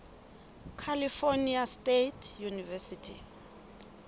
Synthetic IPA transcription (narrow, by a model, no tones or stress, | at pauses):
kʰalifoniastʼetʰjunivɛsitʰḭ